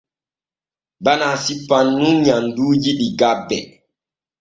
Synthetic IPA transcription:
banaːsipːanːunɲanduːjiɗiɡabːɛ

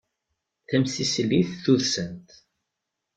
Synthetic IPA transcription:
θæmsislːiθθuðsənt̪

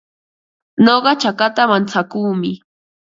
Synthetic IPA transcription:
noɢɑt͡ʃakat̪amant͡sakuːmɪ

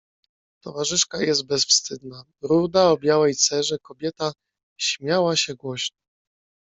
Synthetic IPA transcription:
t̪ɔvaʐɘʂkajɛzt̪̚bɛsfst̪ɘd̪na | ɾud̪aɔbʲjawɛjt̪sɛʐɛkɔbʲjɛt̪a | ɕmʲjawaɕɛɡwɔɕnɔ

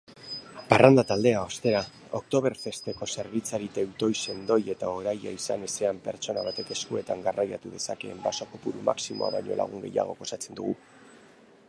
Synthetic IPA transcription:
parʔand̪at̪ald̪e̞ao̞st̪e̞ɾa | o̞kt̪o̞β̞e̞ɾfe̞st̪e̞ko̞se̞ɾβ̞it͡saɾit̪ewt̪o̞jse̞nd̪o̞je̞t̪ao̞ɾaja̰isane̞se̞ampe̞ɾt͡so̞naβat̪e̞ke̞skue̞t̪aŋɡarajat̪uðe̞sake̞ːmbasokopuɾuma̰ksimo̞a̰βa̰ɲo̞̰la̰ɣ̞uŋɡe̞ja̰ɣ̞o̞̰ko̞sat͡se̞nd̪uɣ̞u

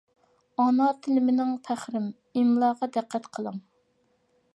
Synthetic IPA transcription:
ɑnɑt̪ʰɪlɪmɪnɪŋpʰæχɾɪm | imlˠɑʁɑd̪æqʰːæt̪qʰəlˠəŋ

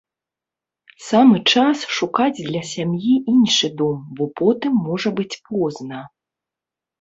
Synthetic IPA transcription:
samɨt͡ʂasʂukad͡zʲd̪lʲɐsʲamjiʔinʂɨd̪ɔmbɔpɔt̪ɨmːɔʐɐbɨt͡sʲpʰɔznɐ

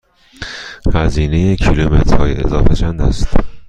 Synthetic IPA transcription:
hæziːnejekʰilumḛt̪ʰɾɒːjeḛzɒːfet͡ʃʰænd̪æ̰st̪

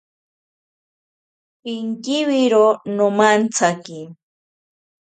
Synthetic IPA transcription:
pɪŋkɪwɪɾonomant͡sʰakɪ

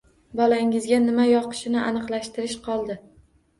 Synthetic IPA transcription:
bɒlaɪŋɪzɡʲanɪmajɒqɨ̥ʃɪnɪʔanɨqlˠaʃt̪ɪɾɪʃqʰɒlˠd̪ɪ

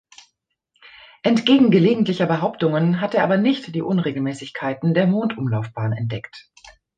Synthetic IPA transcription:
ʔɛntɡ̥eːɡŋ̩ɡəleːɡŋ̩tlɪçɐbəɦaʊptʊŋənɦateːɐaːbɐnɪçtd̥iːʔʊnʁeːɡl̩mɛːsɪçkʰaɪtn̩deːɐmoːntʔʊmlaʊfb̥aːnɛ̰nt̚d̥ɛkt

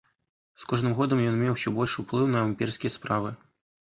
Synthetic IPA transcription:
skɔʐnɨmɣɔd̪ɐmjɔnmʲɛwɕʲɔbɔlʲʂɨwplˠɨwnɐɐmʲpʲirsʲkʲijɐspɾavɨ

